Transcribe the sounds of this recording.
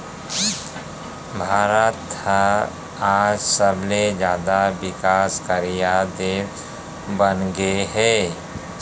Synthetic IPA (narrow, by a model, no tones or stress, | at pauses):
bʱaːɾət̪hə | aːd͡ʒsəbled͡ʒjaːd̪abɪkaːskəɾijad̪eːb | bənɡeɦɛː